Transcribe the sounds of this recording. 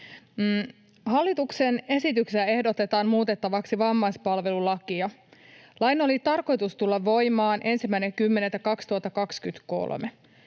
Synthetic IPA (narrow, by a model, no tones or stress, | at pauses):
mː | ɦɑlːit̪uksene̞sit̪ykseæe̞hdot̪et̪ɑːnmuːt̪e̞t̪ːɑʋɑksiʋɑmːɑjspɑlʋe̞lulɑkiɑlɑjno̞lit̪ɑrko̞jt̪ust̪ulːɑʋʋo̞jmɑːnʔe̞nsimːæijnekymːe̞net̪ækɑkst̪uɑt̪ːɑkɑkskyt̪ko̞̰lmḛ